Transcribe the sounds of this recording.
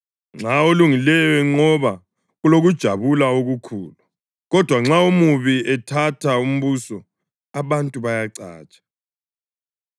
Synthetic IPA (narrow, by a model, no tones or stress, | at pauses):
ŋ͡ǁaoluŋilɛjɛŋ͡ǀɔβa | ɣuloɣud̥ʒ̥ʱaβulaoɣukʰṵːlu | ɣɔd̥ʱwaŋ͡ǁaumuβiɛtʰatʰaum̩βuːsɔ | aβantʼuβajaǀa̰ːt͡ʃʼḁ